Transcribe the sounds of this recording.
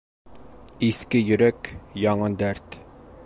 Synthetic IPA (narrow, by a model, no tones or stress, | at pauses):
iθkɘjɵ̆ɾækjɑɴɤnd̪æɾt̪